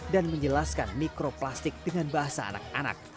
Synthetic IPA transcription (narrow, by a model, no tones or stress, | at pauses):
danməɲd͡ʒəlaskanmikɾoplast̪ɪk̚d̥əŋanbaɦasa̰ːna̰k̚ana̰k̚